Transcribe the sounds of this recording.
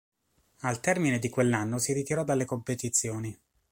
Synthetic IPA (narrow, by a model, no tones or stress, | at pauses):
alt̪ɛrmined̪ikwelːanːosiɾit̪iɾɔd̪alːekompet̪it̪sːjoːni